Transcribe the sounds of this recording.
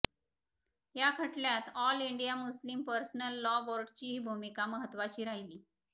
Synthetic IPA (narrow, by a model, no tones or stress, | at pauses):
ɦjakʰəʈljat̪ɔliɳɖijamuslimpəɾsnəlːɔʋoɾɖt͡ɕiːɦiːbʱumikaməɦət̪ːʋat͡ɕiːɾaɦiliː